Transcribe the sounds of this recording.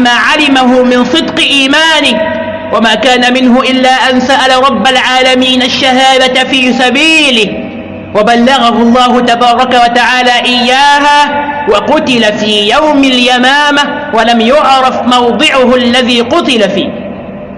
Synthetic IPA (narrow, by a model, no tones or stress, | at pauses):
maːʕalɪmaɦʊmɪnsˤɨd̪qɨʔiːmaːnɪh | wamaːkaːnamɪnɦʊʔɪlːaːʔansaʔalaɾˤɑbːalʕaːlamiːnaʃːaɦaːd̪afiːsabiːlɪh | wabalːɑɣaɦʊlˤːɑːhʊt̪abɑːɾˤɑkawat̪aʕaːlaːʔɪjːaːɦaːwɑqʊt̪ɪlafiːjawmɪljamaːma | walamjʊʕɾˤɑfmɑwd̪ˤɨʕʊɦalːaðiːqʊt̪ɪlafiːh